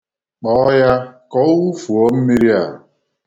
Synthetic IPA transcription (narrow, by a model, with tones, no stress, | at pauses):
k͡pɔ˨˦ja˦kɔ˦u˦fu˨o˦m̩˦mi˦ɾi˦a˨